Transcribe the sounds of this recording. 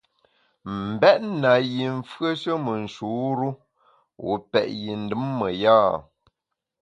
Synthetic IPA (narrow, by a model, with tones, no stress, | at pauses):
m̩˨bɛ˦ʔ̚na˨ji˨ɱ̩˨fɰə˦ʃə˦mə˨n̩˨ʃu˨˦ɾu˦ | wṵ˨pɛ̰˨ʔji˨n̩˨dɨ˦mːə˨jaː˦